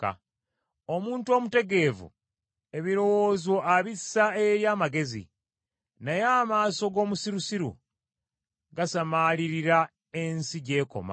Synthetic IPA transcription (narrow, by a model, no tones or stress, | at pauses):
a̰ | o̞muːntuo̞ːmute̞ɡe̞ːvṵ | e̞βiɾo̞wo̞ːzo̞aβisae̞ɾjaːmaɡe̞zḭ | nejaːmaːso̞ɡo̞ːmusiɾusiɾṵ | ɡasamaliɾiɾa | e̞nsiɟe̞ːko̞̰ma̰